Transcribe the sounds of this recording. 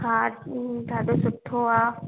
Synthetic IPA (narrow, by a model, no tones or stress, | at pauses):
ɦãːt̪aːd̪osʊt̪ʰːoaː